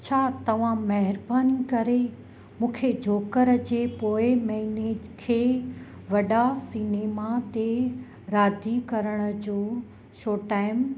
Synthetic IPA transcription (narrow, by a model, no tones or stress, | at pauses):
t͡ɕʰaːt̪ɐʋ̤ãmɐɦɪɾbaːnikɐɾe | mũːkʰed͡ʑʱoːkəɾəd͡ʑeːpoːɪmɐɦinekʰeː | ʋɐɗasineːmat̪e | ɾaːd̪ʱikɐɾəɽ̃ə̆d͡ʑoː | ʃoːʈaːɪm